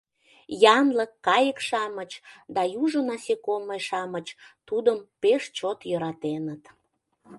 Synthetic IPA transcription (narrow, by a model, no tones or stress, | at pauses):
jɑnləkːɑjəkʃɑmət͡ɕd̪ɑjuʒənɑsekoməjʃɑmət͡ɕt̪ud̪əmpeʃt͡ɕot̪jøɾɑt̪enət̪